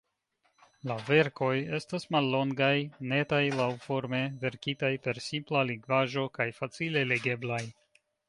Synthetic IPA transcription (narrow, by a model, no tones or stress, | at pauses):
lave̞ɾko̞je̞stasmalːo̞ŋɡajne̞tajlawfo̞ɾme̞ve̞ɾkitajpe̞ɾsimplaliŋɡvaʒo̞kajfat͡sile̞le̞ɡe̞blaj